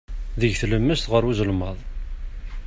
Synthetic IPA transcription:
ðəʝθləmːæst̪ʁəɾˤwuzəlmɑðˤ

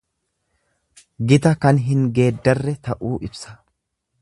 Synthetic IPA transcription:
ɡɪt̪ɐkɐnɦɪŋɡe̞ːd̪ːɐrːɛt̪ɐʔuːʔɪbsɐ̥

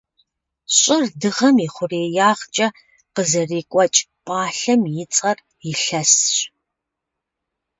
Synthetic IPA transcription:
ɕʼɪrdɨʁɐmiːχʷʊreːjaːʁt͡ʃʼɐ | qəzɐriːkʷʼɔt͡ʃʼ | pʼaːɬɐmjɪt͡sʼɐr | jɪɬɐsɕ

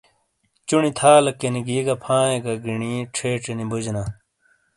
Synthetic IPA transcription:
t͡ɕuɳit̪ʰaːlɐkːeniɡiːɡɐpʰãːẽɡɐɡiɳiʈ͡ʂʰeːʈ͡ʂenibud͡ʑnaː

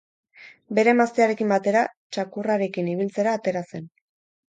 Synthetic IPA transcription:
be̞ɾe̞mast̪eaɾe̞kimbat̪e̞ɾat͡ʃakuraɾe̞kiniβ̞ilt͡se̞ɾaːt̪e̞ɾase̞n

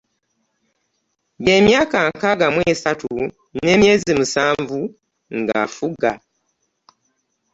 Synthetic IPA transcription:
βeːmjaːkaŋkaɡamwe̞ːsatu | ne̞ːmje̞ːzimusaːɱvu | ŋɡa̰fuɡa

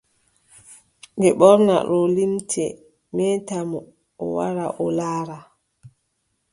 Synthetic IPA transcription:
ɡɛɓɔɾna̰ɾɔlimtʰɛ | mɛːtamɔ | ɔwa̰ɾaʔɔlaːɾa

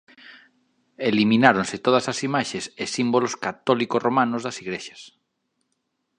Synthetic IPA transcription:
eliminaɾonsɪt̪oð̞ɐsasimaʃesesimboloskat̪ɔlikosromanʊzðɐsiɣɾeʃɐ̥s

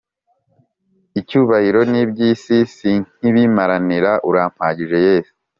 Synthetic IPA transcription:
icuːβahiɾo̞nibɟisisiɲ̥iβimaɾaniɾaʔuɾaːm̥haːɟiʒe̞je̞ːsi̥

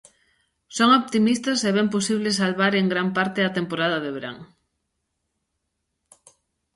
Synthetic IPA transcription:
soŋoβt̪imist̪ɐsɛβɛmposiβ̞lesalβaɾeŋɡɾampaɾt̪ɪɐt̪empoɾaðɐðeβeɾa̰ŋ

